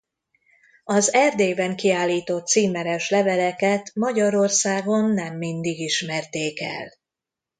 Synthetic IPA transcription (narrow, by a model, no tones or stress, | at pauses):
ɒzɛrd̪eːbɛŋkiaːlːiːt̪o̞t̪siːmɛɾɛʃlɛvɛlɛkɛt̪mɒɟɒɾo̞rsaːɡo̞nːɛmːind̪iɡiʃmɛrt̪eːkɛ̰l